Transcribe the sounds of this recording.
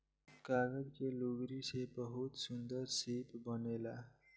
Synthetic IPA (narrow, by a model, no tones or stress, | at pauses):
kaɡʌdkeluɡɾisebʌɦut̪sund̪ʌrsepbʌnela